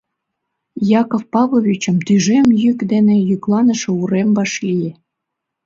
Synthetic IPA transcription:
jɑkofpɑβoβʲit͡ɕə̆mt̪yʒemjykd̪enĕjyklɑnə̆ʃĕuɾembɑʃlije

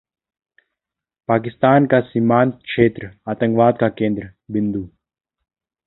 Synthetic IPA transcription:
paːk̬ɪst̪aːnkasiːmaːnt̪̚kʃeːt̪ɾaːt̪ə̃ŋɡʋaːd̪̚kakẽːnd̪ɾəbɪ̃nd̪u

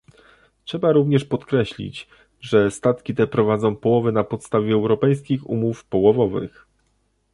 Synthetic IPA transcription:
tʂɛbaɾuvɲɛʂpɔt̪kɾɛɕlʲḭt͡ɕ | ʐɛst̪at̪kʲit̪ɛpɾɔvad̪zɔ̃w̃pɔwɔvɘnapɔt̪st̪avʲjɛːwɾɔpɛjskʲixṵmufpɔwɔvɔvɘ̰x

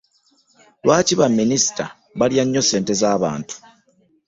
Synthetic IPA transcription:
lwaːciβamːinisi̥ta | βaljaɲːo̞se̞ːnte̞zaːβa̰ːntu̥

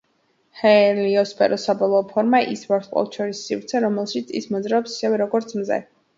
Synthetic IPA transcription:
hɛliɔspʰʼɛ̰ɾʔɔsabɔlˠɔːpʰɔɾmaʔḭsvaɾqʼɔ̰lˠʃʰɔɾisːivɾt̪sʰɛɾɔmɛlˠʃit̪sʰḭsmɔd̪zɾaɔpsi̥sɛvɛɾɔɡɔɾt̪sʰmzɛ̰

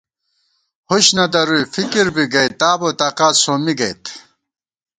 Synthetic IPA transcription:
huɕnɐd̪ɐɾujfikiɾbiɡɐjt̪aːboːt̪aːqaːt̪soːmiɡɐjt̪

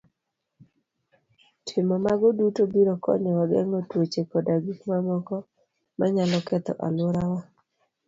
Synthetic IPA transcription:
tʰɪmɔmaɡɔdutobiɾɔkɔ̰ɲɔɔɡɛ̰ŋɔtwot͡ʃekɔdaɡikmamɔkɔ | maɲalɔkɛt̪ɔ̰ʔa̰loɾawa

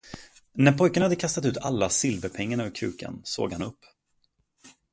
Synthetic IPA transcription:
næɾpʰɔjkanahad̪ːəkʰast̪at̪ʉ̟ːt̪ʰa̰lːasɪlvəɾpʰɛŋːaɳːvəɾkʰʉ̟̰ːkʰa̰nso̰ːɡhanɵpː

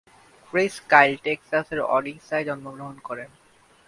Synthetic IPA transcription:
kɾiskajlʈeksaseɾɔ̰ɖiksaed͡ʑɔnmoɡɾoɦonkɔɾen

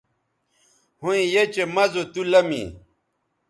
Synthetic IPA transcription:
hõĩjet͡ɕemɐzot̪ulɐmḭ

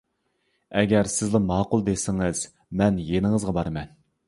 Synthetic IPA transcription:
ɛɡʲɛɾsɪzlɪmɑːqulˠd̪esɪŋɪz̥ | mɛnjenɪŋɨzʁɑbɑɾmɛn

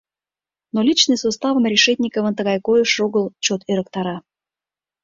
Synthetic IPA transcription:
nolʲit͡ɕnɨsost̪ɑvə̆mrʲiʃɛt̪ʲnʲikəvə̆nt̪əɣɑjkojəʃoɣəlt͡ɕot̪eɾək̚t̪ɑɾɑ

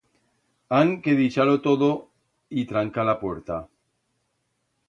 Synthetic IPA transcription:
aŋkeðit͡ʃalot̪oðo | it̪ɾaŋkalapwe̞ɾt̪a

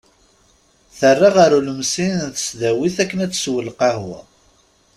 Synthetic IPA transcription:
θərːaʁaɾuləmsinnθə̥sðæwiθækːənæt͡sːswəlqɑhwæ̰

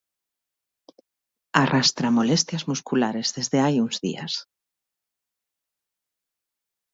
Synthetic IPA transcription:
arʔast̪ɾamolest̪jazmuskulaɾezðezðeajuŋzðḭa̰s

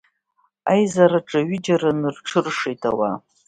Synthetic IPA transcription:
a̰jzaɾaʈ͡ʂʼaɥɪd͡ʒaɾanɨrʈ͡ʂʰɨrʂejtʰawa̰

